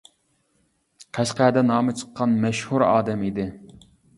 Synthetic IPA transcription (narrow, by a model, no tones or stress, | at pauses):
qʰæʃqæːd̪ɛnɑːmɨt͡ʃʰə̥qʰːɑnmɛʃhuɾɑ̰ːd̪ɛmid̪ɪ